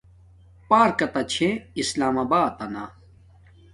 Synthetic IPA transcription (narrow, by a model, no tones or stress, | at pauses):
paːɾkɐt̪ɐt͡ɕʰẽislaːmaːbaːt̪ɐna